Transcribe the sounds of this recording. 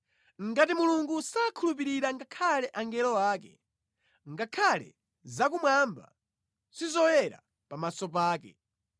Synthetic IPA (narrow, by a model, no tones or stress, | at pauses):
ŋɡatimuluŋɡusaːkʰulup̬iɾiɾaŋɡakʰalɛʔaŋɡɛlɔwaːkɛ | ŋɡakʰalɛ̰ | zakumwamba̰ | sizɔwɛɾa̰ | pamasɔp̬aːkɛ̰